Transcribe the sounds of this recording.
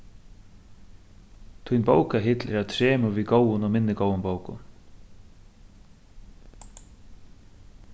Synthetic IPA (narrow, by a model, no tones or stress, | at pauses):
t̪ʰʊjnbowkaɦɪt̪lɛɾat̪ʰɾɛːmʊviðɡowʊnɔɣmɪnːɪɡowʊnbowkʊ̰n